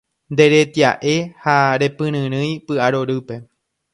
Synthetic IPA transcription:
nd̪e̞ɾe̞t̪ja̰ʔe̞haɾe̞pɨ̃ɾ̃ɨ̃ɾ̃ɨ̃jpɨʔaɾo̞ɾɨpe̞

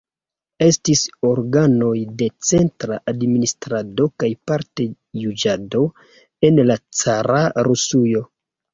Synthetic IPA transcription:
e̞stiso̞ɾɡano̞jde̞t͡se̞ntɾaʔadministɾado̞kajpaɾte̞ | jud͡ʒado̞ | e̞nlat͡saɾʔaɾusujo̞

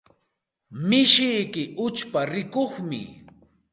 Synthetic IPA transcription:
mɪʃɪjkɪʔʊt͡ʃpaɾɪkoχmɪ̰

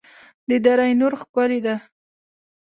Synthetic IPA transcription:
d̪əd̪aɾajnʊɾxkɑɾid̪a

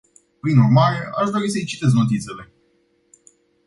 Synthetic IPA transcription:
pɾinurmaɾe̞a̰ʃd̪o̞ɾis̬əijt͡ʃi̥t̪e̞s̬no̞t̪it̪se̞le̞

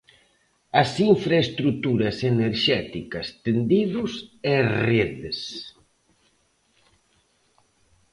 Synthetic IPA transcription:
ɐsiɱfɾaest̪ɾut̪uɾɐseneɾʃɛt̪ikɐst̪end̪iðʊsɛreðes

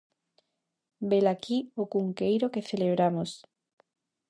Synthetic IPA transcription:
belakiokuŋkejɾokeθeleβɾamos

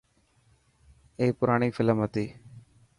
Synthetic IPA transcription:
eːpʊɾaːɽ̃iːfʰɪləmɦət̪iː

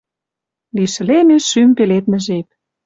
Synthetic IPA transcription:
liʃɘ̆lemeʃympelet̪̚mə̆ʒek̚

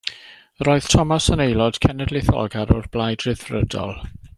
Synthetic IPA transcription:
roːɨð̥tʰɔmasənejlˠɔd̥kʰɛnɛdlɪθɔ̰ɡaɾɔrb̥lˠajdrɪðrədɔ̰lˠ

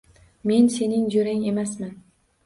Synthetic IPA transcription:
me̞nse̞nɪŋd͡ʒoɾɪŋe̞masman

